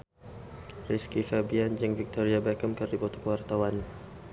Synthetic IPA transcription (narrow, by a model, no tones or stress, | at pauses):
riskifabiand͡ʒəŋvik̚t̪ɔɾiabakəmkɨrdipɔt̪ɔ̥kəwart̪awan